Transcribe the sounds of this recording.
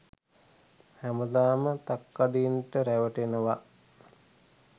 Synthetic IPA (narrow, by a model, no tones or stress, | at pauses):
hæməd̪aːmət̪akːaɖinʈəɾæʋəʈenəʋa